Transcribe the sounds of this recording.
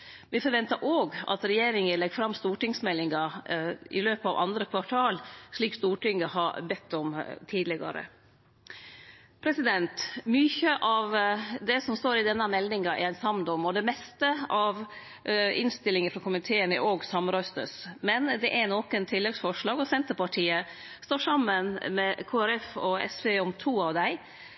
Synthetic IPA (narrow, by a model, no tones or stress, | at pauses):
ʋɪfɔɾʋɛnt̪əɾʔoːɡɑ̰t̪ɾɛjeːɾɪŋəlɛɡfɾɑmːst̪uːʈɪŋsmɛlːɪŋɑʔɪ̰løːpəɑʋʔɑ̰nd̪ɾəkʰʋɑʈʰɑːlʂɭiːkst̪uːʈɪŋːəhɑɾbɛt̪ːɔmt̪ʰiːd̪lɪɡɑ̰ɾə̰ | pʰɾɛsɪd̪ɛnt̪myːçəʔɑʋd̪ɛsɔmst̪oːɾɪd̪ɛnːəmɛld̪ɪŋɑʔɛ̰ɾænsɑmd̪ɔmɔd̪ɛmɛst̪əɑʋ | ɪ̰nst̪ɪlɪŋəfɾɑkʰʊmɪt̪ʰeːənɾʔoːɡsɑmɾœst̪ə̰smɛnd̪ɛʔæɾnoːkənt̪ʰɪlːɛɡsfɔʂɭɑːɡɔsɛnt̪əpɑʈʰiːə | st̪oːʂɑmːənmɛkʰoːæɾɛfɔɛ̰sʋeɔmt̪ʰuːɑʋd̪æɪ